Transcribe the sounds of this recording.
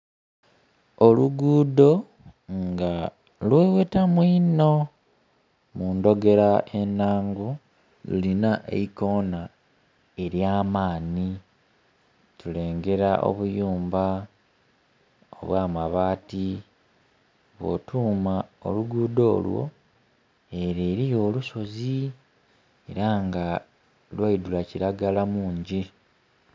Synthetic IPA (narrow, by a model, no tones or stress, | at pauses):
oluɡuːdo̞ | ŋɡa | lweːwe̞tamwiːno̞ | muːndo̞ɡe̞ɾae̞nːaːŋɡu | lṵlinaʔḛiko̞na | e̞ɾjaːmaːni | tule̞ːŋɡe̞ɾaʔo̰βujuːmba | o̰βwaːmaβaːti | βo̞̰tʰuːmao̰luɡuːdo̞̰ːlwo̞̰ | e̞ɾeːɾijo̞ːluso̞zi | e̞ɾaŋɡa | lwaidulaciɾaɡalamuːɲɟi